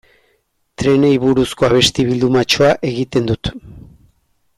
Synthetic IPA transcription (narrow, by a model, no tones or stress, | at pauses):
t̪ɾe̞nejβuɾusko̞aβ̞e̞st̪iβild̪umat͡ʃo̞aʔe̞ɣit̪e̞nd̪ut̪